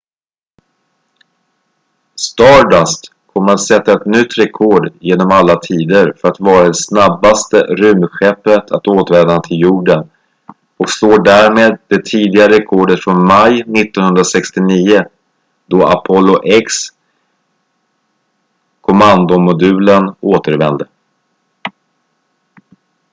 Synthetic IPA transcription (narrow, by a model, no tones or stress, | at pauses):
st̪ɑːɖast̪ | kʰɔmːəɾat̪sɛt̪ːaɛt̪nʏt̪ːɾɛkʰɔɖjeːnɔmalːat̪ʰiːd̪əɾfœɾat̪vɑːɾad̪ɛsnabːast̪əɾɵmɧɛpːət̪ʰat̪oːt̪vɛːd̪ant̪ʰɪljuːɖən | ɔksloːɖæɾmeːd̪̚d̪ɛt̪ʰiːd̪ɪɡaɾɛkʰɔɖət̪fɾɔnmajnɪt̪ːɔnɦɵnd̪ɾasɛkst̪ɪniːʊ | d̪̥ɔapʰɔlːʊʔɛks | kʰɔmand̪ʊmʊd̪ʉ̟ːlənoːt̪əɾvɛnd̪ə